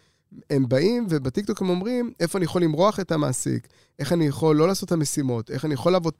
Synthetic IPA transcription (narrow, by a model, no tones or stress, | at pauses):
embaimvebatik̚t̪o̞khe̞mo̞mʁime̞foanijaχo̞limʁo̞aχe̞tama̰ːsḭk | ʔe̞χanijaχo̞lːo̞laːso̞thamesimo̞t̪e̞χanijaχo̞laːvo̞t